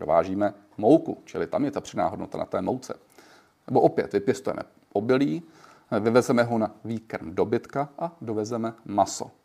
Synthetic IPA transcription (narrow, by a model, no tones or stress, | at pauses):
ɾova̰ːʒiːmɛ | mowkut͡ʃɪlɪt̪amjɛt̪apr̝̥ɪdna̰ːɦodnot̪ana̰t̪ɛːmowt͡sɛ̰ | nɛbo̞ʔopjɛ̰t̪vɪpjɛst̪ujɛ̰mʔɛ̰ | ʔobɪliː | vɪvɛzɛmɛɦonaviːkɾmdo̞bɪt̪kaʔado̞vɛzɛmɛmaso̞̰